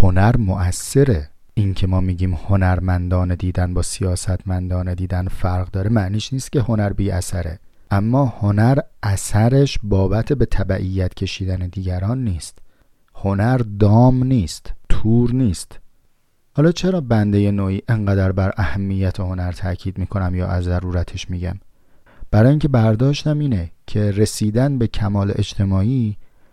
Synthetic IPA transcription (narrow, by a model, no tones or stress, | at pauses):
ho̞næɾmo̞ʔæsːe̞ɾe̞ | ʔincʰe̞mɒːmiːɟiːmho̞næɾmænd̪ɒːned̪iːd̪ænbɒːsijɒːsæt̪ʰmænd̪ɒːned̪iːd̪ænfæɾɣd̪ɒːɾemæʔniːʃniːst̪̚ce̞ho̞næɾbiːʔæ̰sæɾe̞ | ʔæmːɒːhonæɾæsæɾe̞ʃbɒːbæt̪ʰe̞be̞t̪ʰæbæʔijːæt̪ʰcʰe̞ʃiːd̪æne̞d̪iːɟæɾɒːnːiːst̪ | honæɾd̪ɒːmniːst̪t̪ʰuːɾniːst̪ | hɒːlɒːt͡ʃʰe̞ɾɒːbænd̪e̞je̞noːʔiːʔeŋɢæd̪æɾbæɾʔæhæmːijːæt̪ʰeho̞næɾt̪ʰæcʰiːd̪miːkʰo̞næmjɒ̰ːʔæzːæɾuːɾæt̪ʰe̞ʃmiːɟæ̰m | b̥æɾɒːjiːŋkcʰe̞bæɾd̪ɒːʃt̪æmiːnecʰe̞ɾe̞siːd̪ænbe̞cʰæmɒːlḛʔet͡ʃt̪ʰe̞mɒːiː